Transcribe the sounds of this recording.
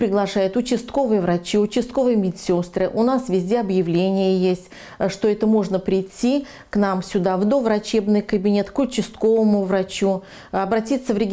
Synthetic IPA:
pɾʲɪɡlˠɐʂajɪt̪ʊt͡ɕɪst̪ko̞vɨjəvɾɐt͡ɕiʊt͡ɕɪst̪̚ko̞vɨjmʲɪtʲsʲo̞st̪ɾɨʔʊnasvʲɪzʲdʲe̞ɐbjɪvlʲenʲɪjəjesʲtʲ | ʂt̪oɛt̪əmo̞ʐnəpɾʲɪjtʲːi | knamsʲʊd̪avd̪o̞vɾɐt͡ɕe̞bnɨjkəbʲɪnʲe̞t̪kʊt͡ɕːɪst̪ko̞vəmʊvɾɐt͡ɕu | ɐbɾɐtʲit̪sːəvɾʲɪɡʲ

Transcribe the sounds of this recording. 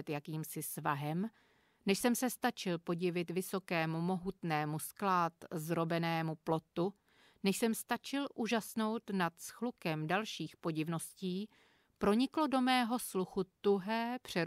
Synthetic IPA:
ɛt̪jakiːmsɪsva̰ɦɛm | nɛʃsɛmsɛst̪at͡ʃɪlpo̞ɟɪvɪt̪vɪso̞kɛːmumo̞ɦut̪nɛːmusklaːt̪zɾo̞bɛnɛːmuplo̞t̪u | nɛʃsɛmst̪at͡ʃɪlʔuːʒasno̞wt̪nat̪sxlukɛmdalʃiːxpo̞ɟɪvno̞sciː | pɾo̞ɲɪklo̞do̞mɛːɦo̞sluxut̪uɦɛːpr̝̥ɛ

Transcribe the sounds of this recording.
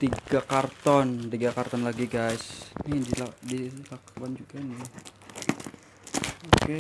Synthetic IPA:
t̪iɡakart̪ɔnt̪iɡakart̪ɔnlaɡiɡajsnidiladilakwand͡ʒuɡanɪ | oke

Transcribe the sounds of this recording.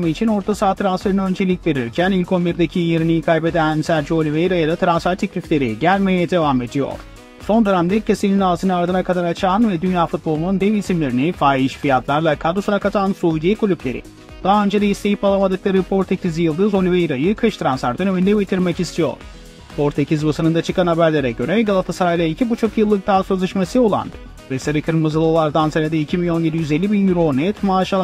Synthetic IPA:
mɯit͡ʃʰino̞ɾt̪ʰasaːt̪ʰɾansfeɾɯnaø̞nd͡ʒe̞lʲicʲve̞ɾiɾcʰænilʲkʰo̞miɾd̪ecʰijeɾinijikʰajpe̞d̪ænsæɾd͡ʒiolʲyvejɾajad̪at̪ʰɾansfæɾt̪ʰeclʲiflʲe̞ɾiɟælʲme̞jɛd̪e̞vame̞d̪ijo̰ɾ̥ | so̞nd̪oɾamd̪ɛcʰesilʲininaːzʰɯnɯaɾd̪ɯnakʰad̪aɾat͡ʃʰaːnvɛd̪ynjaːfut̪̚bo̞lˠunund̪ɛvisimlʲe̞ɾinifaːiʃfijat̪lˠaɾlˠakʰad̪usunakʰat̪ʰansujd̪ekʰulʲyplʲe̞ɾḭ | d̪̥aɦaø̞nd͡ʒed̪aist̪ʰe̞jipalˠamad̪ɯklˠaɾɯpʰo̞ɾt̪ʰecʲʰizijɯlˠd̪ɯːzo̞niveiɾajɯkʰɯʃt̪ɾansaɾt̪ʰɯnønynd̪ɛbet̪ʰiɾmɛcist̪ʰijo̰ɾ̥ | pʰo̞ɾt̪ʰecʰizbasɯnɯnd̪at͡ʃʰɯkanhabæɾlʲeɾɛɟø̞ɾɛɡalˠat̪ʰasaɾajlʲˠaicʰibut͡ʃʰo̞kjɯlˠːɯk̚d̪aːsø̞zlʲeʃmasɯo̞lˠa̰n | veseɾɯkʰɯɾmɯzɯlˠolˠaɾd̪ansaɾad̪iicʰibinʲo̞nje̞d̪ijyze̞lʲːibinjyɾo̞nɛt̪maːʃalˠa

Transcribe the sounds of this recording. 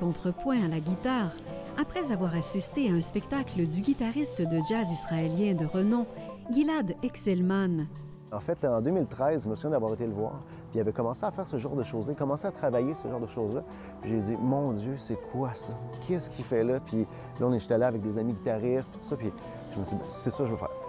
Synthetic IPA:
kɔ̃t̪χəpwɛ̃alaɡʲit̪aːʁ | apχɛzavwaʁasist̪eaɛ̃spɛkt̪akləd̪yɡʲit̪aʁist̪əd̪əd͡ʒazisʁaeljɛ̃d̪əʁənɔ̃ɡʲilad̪ɛksɛlman | ɑ̃fɛt̪laɑ̃d̪ømilt̪ʁɛɪzʒəməsuvjɛ̃d̪avwɑːʁet̪edləvwa̰ːʁ | piavɛkɔmɑ̃seafɛːʁsəʒɑ̃ːʁd̪əʃoːzlaekɔmɑ̃seat̪χavajesəʒɑ̃ːʁd̪əʃozla | piʒed͡zimɔ̃d͡zjøsɛkʰwasɔkʰʲɛskʲʰifɛlʌpʰi | laɔ̃nɛt̪yt̪alɛavɛk̚d̪ezamiɡʲit̪aʁɪst̪̚pi̥t̪u̥sʌpi | ʒ̥əməsibɛ̰̃sɛsɔkʒəvəfɛ̰ːʁ

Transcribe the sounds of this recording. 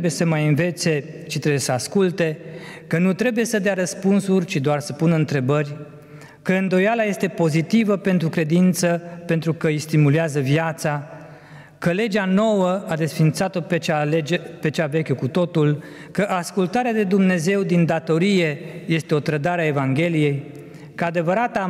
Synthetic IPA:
bujesəmajɨnve̞t̪se̞t͡ʃit̪ɾebuje̞səaskult̪e̞kənut̪ɾe̞buje̞səd̪eaɾəspunsurʲt͡ʃid̪oarsəpunɨnt̪ɾe̞bərʲ | kəɨnd̪o̞jalaje̞st̪e̞po̞zit̪ivəpe̞nt̪ɾukɾe̞d̪int̪səpe̞nt̪ɾukəist̪imuleazəvjat̪sa | kəle̞d͡ʒano̞wəad̪e̞sfint̪sat̪o̞pt͡ʃape̞t͡ʃave̞kʲekut̪o̞t̪ul | kəʔaskult̪aɾead̪e̞d̪umne̞ze̞wd̪ind̪at̪o̞ɾije̞je̞st̪e̞o̞t̪ɾəd̪aɾeae̞vaŋɡʲe̞lije̞j | kəad̪e̞vəɾat̪a

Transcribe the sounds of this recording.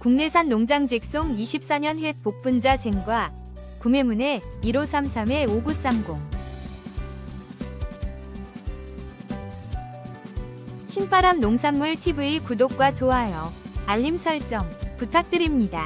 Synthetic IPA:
kuŋne̞sʰanːoŋd͡ʑaŋd͡ʑek̚s͈oŋiɕʰip̚s͈aɲʌnɸwe̞k̚p͈ok̚p͈und͡ʑasʰe̞ŋɡwa | kume̞mune̞iɾosʰamsʰame̞oɡus͈amɡoŋ | ɕʰimp͈aɾamnoŋsʰamːɯɭtʰibɯikudok̚k͈wat͡ɕoɦajʌaʎːimsʰʌɭt͡ɕ͈ʌŋputʰak̚t͈ɯɾimɲida

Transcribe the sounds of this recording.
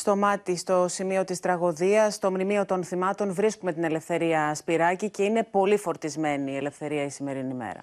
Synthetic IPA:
st̪o̞mɐt̪ist̪o̞simio̞t̪ist̪ɾɐɣo̞ðiɐst̪o̞mnimio̞t̪o̞nθimɐt̪o̞nvɾiskume̞t̪ine̞le̞fθe̞ɾiɐspiɾɐcice̞ine̞po̞lifo̞ɾt̪izme̞niːe̞le̞fθe̞ɾiɐisime̞ɾinime̞̰ɾɐ̰

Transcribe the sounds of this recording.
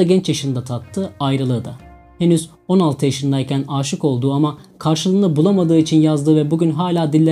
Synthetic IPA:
aɟɛnt͡ʃjaʃɯnd̪at̪ʰat̪ʰːɯːajɾɯlˠɯːd̪a̰ | henyz | o̞nalˠt̪ʰɯjaʃɯnd̪ajcʰænaːʃɯko̞lˠd̪uːamakʰaɾʃɯlˠɯnˠɯbulˠamad̪ɯːit͡ʃʰinjazd̪ɯːvɛbuɡɟʲynɦaːlʲaːd̪ilʲːe

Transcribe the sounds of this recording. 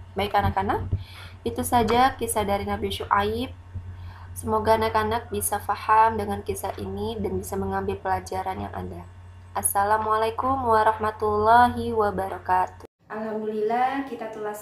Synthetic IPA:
baikanakanak̚ | it̪usad͡ʒakisadaɾinabiʃuʔaɪp̚ | səmoɡaːnakanak̚bisafahamdəŋankisaʔḭnidanbisaməŋambɪlpəlad͡ʒaɾanja̰ŋʔa̰da | ʔasːalamalajkʊmwaɾɑhmat̪ulːaɦiwabaɾɔkat̪u̥ | ʔalhamdunilakit̪at̪ulas

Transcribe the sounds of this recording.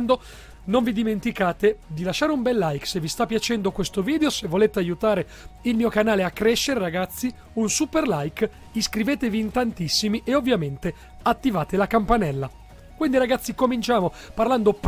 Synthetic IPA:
nd̪o | noɱvid̪iment̪ikaːt̪ed̪ilaʃːaːɾeumbɛlːajksevist̪apːjat͡ʃɛnd̪okwest̪oviːd̪eosevːoleːt̪eajut̪aːɾe | ilmiːokanaːleakːɾɛʃːeɾeɾaɡat̪sːi | unsuperlajk | iskɾiveːt̪eviːnt̪ant̪isːimiʔeovːjament̪e | at̪ːivaːt̪elakampanɛlːa | kwind̪iɾaɡat̪sːikomint͡ʃaːmo | parland̪op

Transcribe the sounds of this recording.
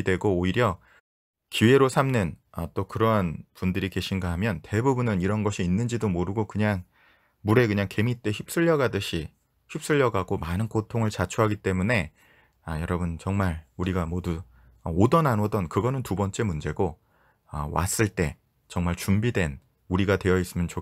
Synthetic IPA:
dwe̞ɡoːiɾjʌ | kiwe̞ɾosʰamnɯnʌt͈okɯɾʌnpundɯɾike̞ɕʰinɡaɦamjʌnte̞bubunɯniɾʌnɡʌɕʰiːnːɯnd͡ʑidomoɾɯɡokɯɲaŋ | muɾe̞k̬ɯɲaŋke̞mit͈e̞çip̚s͈ɯʎːʌɡadɯɕʰi | çip̚s͈ɯʎːʌɡaɡomanɯnkotʰoŋɯɭt͡ɕat͡ɕʰuɦaɡit͈e̞mune̞ | ajʌɾʌbɯnt͡ɕʌŋmaɭuɾiɡamodu | ʌodʌnanodʌnkɯɡʌnɯntubʌnt͡ɕ͈e̞mund͡ʑe̞ɡo | ʌ̰wa̰s͈ɯɭt͈e̞ | t͡ɕʌŋmaɭt͡ɕumbidwe̞n | uɾiɡatwe̞jʌis͈ɯmjʌnt͡ɕo

